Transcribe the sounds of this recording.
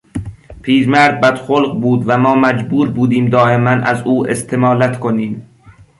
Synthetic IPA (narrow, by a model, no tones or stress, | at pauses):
pʰiːɾmæɾd̪̚bæd̪̥xolqbuːd̪væmɒːmæd͡ʒbuːɾbuːd̪iːmd̪ɒːʔemænʔæ̰zuːʔest̪ʰe̞mɒːlæt̪kʰoniːm